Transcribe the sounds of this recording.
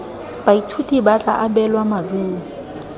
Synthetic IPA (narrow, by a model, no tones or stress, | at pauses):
b̥aitʰutʼibat͡ɬʼa̰ʔabɛlwamaduː